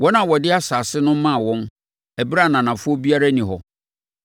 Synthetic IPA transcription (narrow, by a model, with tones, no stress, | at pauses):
wɔ˦nã˨wɔ˨dɪ˦a˦saː˨sɪ˦nʊ̃˦m˦mã˦˨wɔ̃˦n | æ˨bɾa˦˨nã˨nã˨fʊ˦ɔ˦bi˦a˦ɾa˦nĩ˨ɦɔ˨